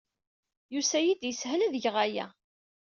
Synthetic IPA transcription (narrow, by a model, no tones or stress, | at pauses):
jusæjid̪jəsɦlæðʝʁæjæ̰